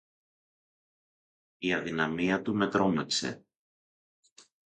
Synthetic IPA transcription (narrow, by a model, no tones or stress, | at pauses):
iɐðinɐmiɐt̪ume̞t̪ɾo̞meksḛ